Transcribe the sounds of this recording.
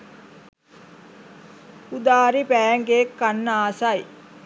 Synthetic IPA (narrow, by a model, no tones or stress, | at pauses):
ud̪aːɾipæːŋɡeːkːanːaːsaj